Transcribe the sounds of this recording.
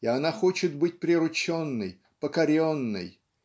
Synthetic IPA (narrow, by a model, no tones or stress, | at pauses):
ɪɐnaxo̞t͡ɕɪt̪bɨt̚ʲpɾʲɪɾʊt͡ɕonːɨj | pəkɐɾʲonːɨ̰j